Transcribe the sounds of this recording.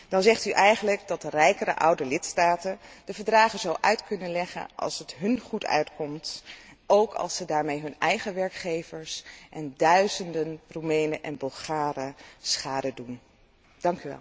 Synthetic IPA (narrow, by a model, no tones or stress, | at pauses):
d̥ɑnzɛχtyʔɛjχənləɡdɑt̚ərɛjkərə̰ʔɑwdəlɪtstaːtənd̥əvəɹdraːχəzowʔœɥtkɵnənlɛχə̰nɑ̰lˠsətɦɵnχutʰœ̰ɥtkɔmtʔowkʰɑ̰lˠsədaːɹmejɦɵnɛjχəʋɛɹkχejvəɹsʔɛndœɥzəndənrumejnəʔɛnbɵlˠχaːrəsχaːdədun | d̥ɑŋkyʋɛ̰lˠ